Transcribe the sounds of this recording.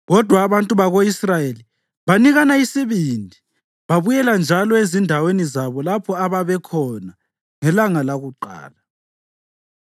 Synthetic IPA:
ɣɔd̥ʱwaːβantʼuβaɣoisrajeli | βaniɣanaisiβindʱi | βaβujɛland͡ʒʱalɔezindʱawenizaβɔlapʰɔaβaβɛkʰɔna | ŋɛlaŋalaɣuǃa̰ːla

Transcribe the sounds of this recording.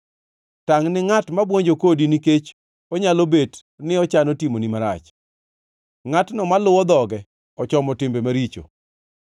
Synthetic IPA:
taŋnɪŋatmabwoɲd͡ʒokodiniket͡ʃ | ɔɲalobet | nɪɔt͡ʃanotimonimaɾa̰t͡ʃ | ŋatnɔmalʊwɔd̪ɔɡɛ | ɔt͡ʃɔmɔtɪmbemaɾit͡ʃo̰

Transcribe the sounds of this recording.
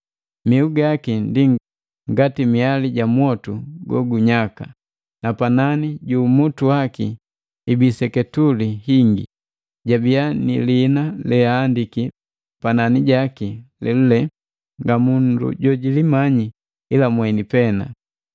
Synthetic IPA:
miuɡakindi | ŋɡatimialiɟamwɔtuɡɔ̰ɡuɲaka | napananiɟuːmutuaki | ibisɛkɛtulihiŋɡḭ | ɟabijanḭlinalɛaːndiki | pananiɟakilɛlulɛ | ŋɡamundṵɟɔɟilimaɲi | ilamwɛnipɛna̰

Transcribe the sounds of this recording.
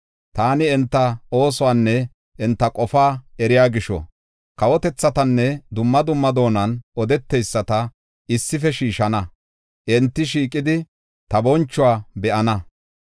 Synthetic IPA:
t̪aːnɪɛnt̪ːɐo̞ːs̬ɔwaːnːɛ | ʔɛnt̪ːɐkʼɔfaːɛɾɪjaːɡɪʃɔ̰ | kɐwɔt̪ɛt͡sːɐt̪ɐnːɛd̪ʊmːɐd̪ʊmːɐd̪o̞ːnɐnɔd̪ɛt̪ːɛjsːɐt̪ɐ | ɪsːɪfɛʃiːʃɐnɐ | ʔɛnt̪ːɪʃiːkʼɪd̪ɪ | t̪ɐbɔnt͡ʃːʊwaːbɛʔɐnɐ

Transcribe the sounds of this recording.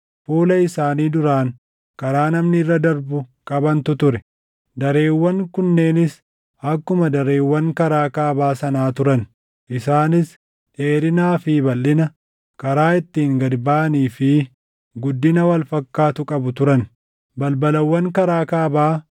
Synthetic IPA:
fuːlɐɪsaːniːd̪ʊɾaːŋ | kɐɾaːnɐmnɪrːɐd̪ɐɾbʊkʼɐbɐnt̪ʊt̪ʊɾɛ | d̪ɐɾeːwːɐŋkʊnːe̞ːnɪs | ɐkːʊmɐd̪ɐɾe̞ːwːɐŋkɐɾaːkaːbaːsɐnaːt̪ʊɾɐn | ʔɪsaːnɪs | ᶑe̞ːɾɪnaːfɪbɐlːɪnɐ | kɐɾaːɪt̪ːiːŋɡɐd̪baːniːfɪ | ɡʊd̪ːɪnɐwɐlfɐkːaːt̪ʊkʼɐbʊt̪ʊɾɐn | bɐlbɐlɐwːɐŋkɐɾaːkaːbaː

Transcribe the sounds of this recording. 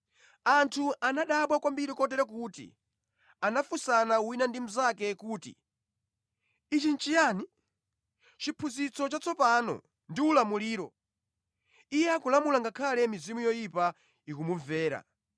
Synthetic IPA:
antʰuʔanaɗaɓwakwambiɾikɔtɛɾɛk̬utḭ | anafusanauwinandim̩zakɛkuːtḭ | it͡ʃint͡ʃijaːni | t͡ʃipʰuzit͡sɔt͡ʃat͡sɔpanɔ̰ | ndiulamuliːɾɔ | ijɛakulamulaŋɡakʰalɛmizimujɔjipa | ikumuvɛːɾa̰

